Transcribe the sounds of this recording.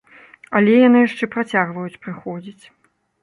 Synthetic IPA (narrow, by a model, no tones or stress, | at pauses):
ɐlʲɛjanɨjaʂt͡ʂɛpɾat͡sʲaɣvɐjut͡sʲpɾɨxɔd͡zʲit͡sʲ